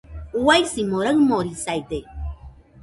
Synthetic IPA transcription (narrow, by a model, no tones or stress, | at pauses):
uwajsimoɾaɰmoɾisajd̪e